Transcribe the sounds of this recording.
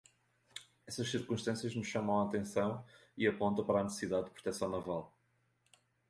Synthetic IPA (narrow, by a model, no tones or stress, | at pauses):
ɛsɐʃsiɾkũʃt̪ɐ̃siɐʒnuʃʃamɐ̃w̃at̪ẽsɐ̃w̃iɐpõnt̪ɐ̃pɐɾanɨsɨ̥siðaðd̪ɨpɾu̥t̪ɛsɐ̃w̃nɐvalˠ